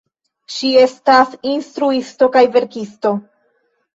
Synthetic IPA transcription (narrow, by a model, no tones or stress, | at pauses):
ʃie̞stasinstɾuisto̞kajve̞ɾkisto̞